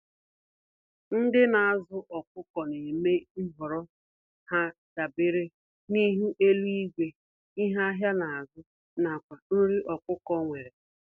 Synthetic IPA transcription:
n̩˦dɪ˦na˨a˨zʊ˦ʔɔ˨kʊ˦kɔ˨ne˨me˦i˦ɦɔ˨ɾɔ˦ | ha˦ | d̥a˨bɪ˦ɾɪ˦ | ni˦ɦu˦ʔe˦lu˦i˦ɡʷe˨ | i˦ɦa˦ɦja˦na˨a˨zʊ˦ | na˨kʷa˨n̩˦ɾi˦ʔɔ˨kʷʊ˦kɔ˦ŋʷe˨ɾe˨

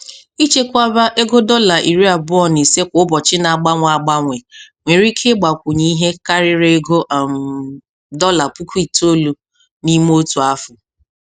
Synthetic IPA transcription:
i˦t͡ʃe˦kʷa˦ba˦ʔe˦ɡo˦dɔ˦la˨ʔi˨ɾi˦a˨bʊ˦ɔ˦˨ne˨se˦kʷʊ˦bɔ˨t͡ʃɪ˦na˨ɡ͡ba˦ŋʷa˨a˨ɡ͡ba˦ŋʷe˨ŋʷe˨ɾi˦kʰe˦ɡ͡ba˨kʷʊ˨ɲi˦i˦ɦe˦ka˦ɾɪ˦ɾe˦ɡo˦ʔm˨ | dɔ˦la˨pu˦kʷi˦˨to˦lu˨ | ni˦m˦o˦tu˨a˦fʊ˨

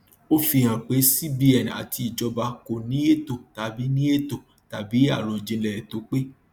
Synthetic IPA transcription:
o˦fi˧hã˨k͡pe˨˦si˦bi˧˦ɛ˨n˨a̰˨tʰi˧˦i˨d͡ʒɔ˨˧ba˧ko˨nĩ˨˦e˦to˨ta˨˧bi˨˦nĩ˦e˦to˨ | ta˨bi˨˦a˦˨ɾo˨d͡ʒẽ˧˦lɛ˨ɛ˨to˨˦k͡pe˦

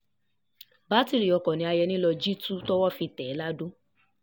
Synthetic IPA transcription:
ba˦ti˧˨ɾi˨ɔ˨˧kɔ˨nĩ˨˦a˧jɛ˧nĩ˦lɔ˧d͡ʒi˦tu˦tɔ˦wɔ˦fi˧tɛ˨˦la˦dõ˦

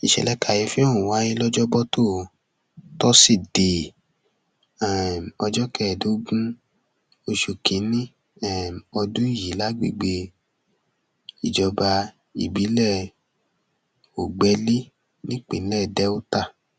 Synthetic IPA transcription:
i˨ʃɛ̰˧˨lɛ˦ka˧˨ji˧˦fi˦o˦˨ũ˨wa˨˦nĩ˦lɔ˦d͡ʒɔ˦bɔ˦tʰo˦˨ | tɔ˦si˦˨de˨ | ɛ˦˨ɔ˧d͡ʒɔ˦kɛ˦˨do˨˦ɡũ˦ | o˧ʃu˧kʰĩ˨˦nĩ˦ | ɛ˦˨ɔ˧dũ˦i˦˨ji˨˦la˦ɡ͡bḛ˦˨ɡ͡be˧ | i˨d͡ʒɔ˧ba˧ | ḭ˨bi˨˦lɛ˦˨ | o˨ɡ͡bɛ˨˧li˦ | nĩ˦k͡pḭ̃˨˦lɛ˦˨dɛ˦u˦ta˦˨

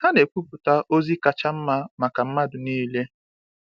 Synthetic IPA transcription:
ha˦ne˨kʷu˦pʊ˨ta˦ʔo˦zi˦ka˨t͡ʃa˦m̩˦ma˦ma˨ka˨m̩˦ma˦dʊ˨niː˦le˦

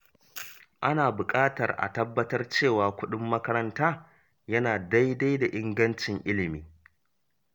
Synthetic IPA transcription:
ʔa˦naː˨bʊ˨kʼaː˦tɐ̰˨rʔa̰˨tɐ˦bːɐ˦tɐ˦rt͡ʃeː˦˨waː˨kʷʊ˦ɗɪ˦mːɐ˦kɐ˦ɾɐ˦ntaː˦ | jɐ˦naː˨da˦jda˦jda˨ʔɪ˦ŋɡɐ˦nt͡ʃɪ˨ŋʔɪ˦lɪ˨miː˦

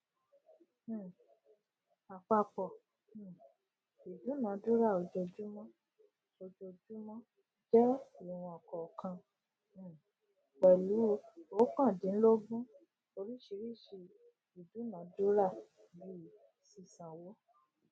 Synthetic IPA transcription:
a˨k͡pa˧k͡pɔ˨˦˨ | i˨du˨˦nã˨˦du˦ɾa˦˨o˧˨d͡ʒo˧d͡ʒu˦mɔ̃˦ | o˧d͡ʒo˧d͡ʒu˦mɔ̃˦ | d͡ʒɛ˦i˨w̃ũ˧ɔ˨kɔ˨kã˧˦˨ | wɛ˨lu˨˦o˨˦kã˦˨dĩ˨˦n̩˦lo˦ɡ͡bũ˦ | o˧ɾi˦ʃi˧ɾi˦˨ʃi˧ | i˨du˨˦nã˨˦du˦ɾa˦˨ | bi˦˨ | si˧˨sã˨wo˦

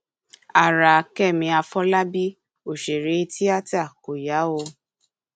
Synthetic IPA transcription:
a˨ɾa˨kɛ˦˨mĩ˧a˧fɔ˦la˦bi˦ | o˨ʃe˨ɾe˨˦˧ti˦a˦ta˦˨ko˨ja˨˦o˧

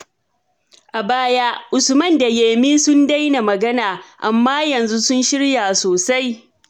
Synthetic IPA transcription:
ʔa˨baː˦ja˦ʔʊ˨sʊ˨mɐ˦nda˨jeː˨miː˦sʊ˦nda˦jna˨mɐ˨ɡɐ˦naː˨ʔa˨mːaː˦jɐ˨nzu˦sʊ˦nʃɪ˦ɽjaː˨soː˨sa˦j

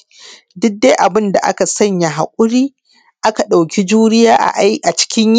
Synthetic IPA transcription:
dʊ˦k̚deː˦ʔa˨bɪ˦nda˨ʔa̰˦ka˨sɐ˦ɲja˨ɦa˨kʷʼʊ˦ɽiː˦ | ʔa˦ka˨ɗa˨wkʲi˦d͡ʒuː˦ɾɪ˦jaː˦ʔʔa˨t͡ʃɪ̥˦kʲɪ˦ɲ˦

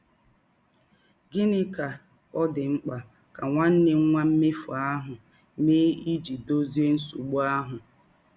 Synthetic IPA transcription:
ɡɪ˦nɪ˦ka˨ | ɔ˦dɪ˨ŋ͡m̩˦k͡pa˨ | ka˨ŋʷa˦n̩˦nɪ˦ŋ̩˦ŋʷa˦m̩˦mɪ˦fɔ˨a˦ɦʊ˨ | me˦i˦d͡ʒi˨do˦zi˦e˦n̩˦su˨ɡ͡bʊ˦a˦ɦʊ˨

